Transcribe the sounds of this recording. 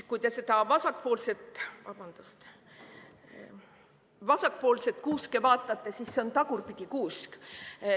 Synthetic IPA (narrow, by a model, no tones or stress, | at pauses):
kujt̪e̞se̞d̪̥ɑvɑsɑkːpo̞ːlse̞t̪ˑvɑ̰b̥ɑnd̪̥ust̪ | vɑsɑk̚po̞ːlset̪̚kuːskevɑːt̪ːˑɑt̪ːˑesisːeo̞nt̪ɑɡurpid̪ʲikuːsk